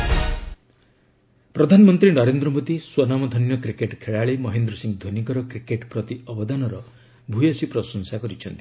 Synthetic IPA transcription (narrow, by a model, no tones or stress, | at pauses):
pɾɔd̪ʱanɔmɔnt̪ɾinɔɾend̪ɾɔmod̪iswɔnamɔd̪ʱɔnjɔkɾikeʈkʰeɭaɭimɔɦend̪ɾɔsiŋɡd̪ʱonikɔɾɔkɾikeʈpɾɔt̪iɔbɔd̪anɔɾɔ | bʱujɔsipɾɔsɔnsakɔɾit͡ʃʰɔnt̪i̥